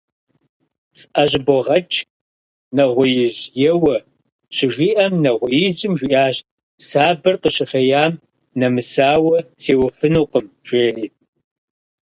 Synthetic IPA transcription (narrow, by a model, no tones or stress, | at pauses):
sʼʔɐʑboʁɐt͡ʃʰʼ | nɐʁʷʊjɪʑjɛwɐ | ɕɪʒʷiːʔɐmnɐʁʷʊjizɪmʒʷiʔaːɕ | saːbɐrqəɕɪfɐjaːm | nɐmɨsaːwɐseːwɐfɨnuːqəm | ʒʷeːriːt̚